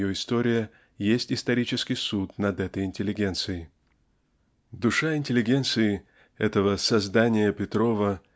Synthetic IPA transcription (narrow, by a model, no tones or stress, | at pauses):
joɪst̪o̞ɾʲɪjə | jesʲtʲɪst̪ɐɾʲit͡ɕɪskʲɪjsut̪nɐd̪ɛt̪əjɪnʲtʲɪlʲːɪɡʲe̞nt̪sɨjɪ | d̪ʊʂaɪnʲtʲɪlʲːɪɡʲe̞nt̪sɨɪ | ɛt̪əvəsɐzd̪anʲɪjəpʲɪt̪ɾo̞və